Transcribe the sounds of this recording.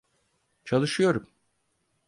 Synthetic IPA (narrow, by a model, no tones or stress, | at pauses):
t͡ʃʰalˠɯʃɯjo̞ɾum